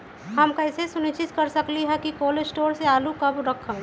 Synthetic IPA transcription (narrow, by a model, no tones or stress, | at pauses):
ɦəmkɐɪsesʊnɪt͡ʃɪt̪kɐɾsəkliɦɛkikoːlesʈoːɾseaːlukɐbɾɐkʰə̃